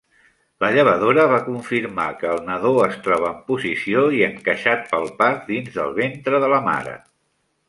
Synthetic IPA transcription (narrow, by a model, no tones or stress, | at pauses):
ləʎəβ̞əðoɾəβ̞akuɱfiɾma̰kəːlˠnəðoəst̪ɾɔβəːmpuzisioiəŋkəʃat̪̚pəlˠpaɾd̪inzðə̰lˠβent̪ɾəðələma̰ɾə̰